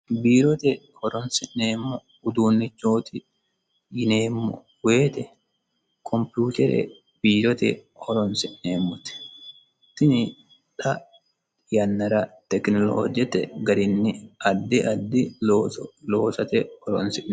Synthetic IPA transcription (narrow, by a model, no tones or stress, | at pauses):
biːɾɔt̪ɛ | hɔɾɔnsɪʔneːmːɔ | ʊd̪uːnːɪt͡ʃːoːt̪ɪ | jɪneːmːɔ̰ | weːt̪ɛ | kʰɔmpjuːt̪ɛɾɛ̰ | b̥iːɾɔt̪ɛ̰hɔɾɔnsɪʔneːmːʊt̪ɪ̥ | t̪ɪnɪ | ᶑɐ | jɐnːɐɾɐt̪ɛknɔloːd͡ʒɛt̪ɛ̰ɡɐɾɪnːɪɐd̪ːɪɐd̪ːɪ | loːsɐt̪ɛɔɾɔnsɪn